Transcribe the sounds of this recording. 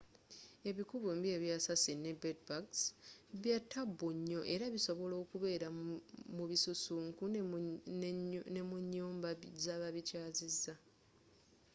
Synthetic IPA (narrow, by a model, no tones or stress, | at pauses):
e̞βikuβombje̞ːβjasasine̞bedbaksβjatʰːabːuɲːo̞ʔe̞ɾaβiso̞βo̞lo̞ːkuβe̞ːɾamuβisusuːŋku | nemuɲːoːmbazaβaβicaːzizːa